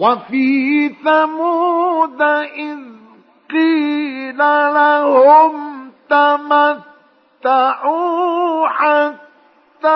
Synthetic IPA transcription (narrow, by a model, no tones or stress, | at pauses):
wafiːθamud̪aʔɪz | qilalahomt̪amat̪ːaʕu | ʕa | t̪ːa